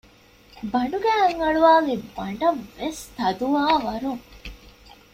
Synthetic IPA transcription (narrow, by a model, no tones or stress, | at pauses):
bɐɳɖuɡæːɐŋɐɭuʋaːɡebɐɳɖɐʋʋest̪ɐd̪uʋaːʋɐɾuŋ